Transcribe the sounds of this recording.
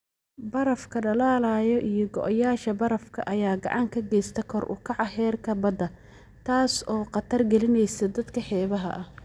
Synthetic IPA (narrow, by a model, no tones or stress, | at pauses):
bɐɾɐfkʰɐɖɐlaːlaːjɔʔijɔɡɔ̰ʔɐjaːʃɐbɐɾɐfkʰɐ̰ʔɐjaːɡɑ̰ʕɑŋkʰɐɡɛjst̪ʰɐkʰɔrʔʊ̰kʰɑʕɑhɛːrkʰɐbɐd̪ɐ | t̪ʰaːsɔːqɑt̪ʰɐrɡɛlɪnɛjsɐd̪ɐd̪kʰɐħɛːβɐɦɐ̰ʔɐh